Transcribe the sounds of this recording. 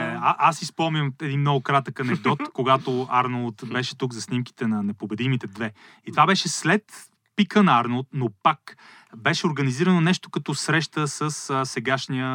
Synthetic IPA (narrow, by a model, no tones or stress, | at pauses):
aʔasispɔlˠmnʲəmɛd̪inmnɔɡokɾat̪əkɐnɛɡ̚d̪ɔt̪koɡat̪oaɾnolˠt̪bɛʃɛt̪uɡzɐsnimki̥t̪ɛnɐnɛpobɛd̪imit̪ɛd̪vɛ | it̪ovabɛʃɛslɛt̪ | pikənɐaɾnolˠt̪nopak | bɛʃɛoɾɡəniziɾənonɛʃt̪o̥kɐt̪ɔsɾɛʃt̪əsəssɛɡaʃnijə